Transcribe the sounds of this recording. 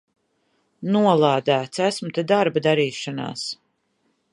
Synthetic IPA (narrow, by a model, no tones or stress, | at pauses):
nuɔlˠaːd̪æːt̪sæsmut̪ed̪aɾbad̪aɾiːʃana̰ːs